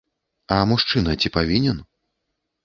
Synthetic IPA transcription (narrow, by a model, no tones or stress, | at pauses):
ɐmuʂt͡ʂɨnɐt͡sʲipavʲinʲɛn